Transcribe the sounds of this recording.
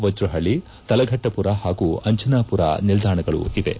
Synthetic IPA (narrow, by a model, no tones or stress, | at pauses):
ʋɐd͡ʒɾuɦɐɭːi | t̪ɐlɐɡʱɐʈːɐpuɾahaːɡuɐɲt͡ʃɐnaːpuɾa̰nild̪ʱaːɳɐɡɐɭṵʔiʋḛ